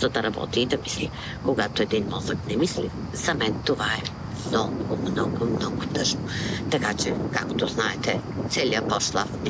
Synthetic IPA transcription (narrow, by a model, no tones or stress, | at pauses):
zɐd̪ɐɾɐbɔ̰t̪iːd̪ɐmisli | koɡat̪oɛd̪inmɔzəknɛmisli | zɐmɛnt̪ovaɛ | mnɔɡʊmnɔɡomnɔɡʊt̪ɤʒnot̪ɐkat͡ʃɛka̰kt̪oznaɛt̪ɛt̪sɛliəpɔsʃt̪lˠa̰f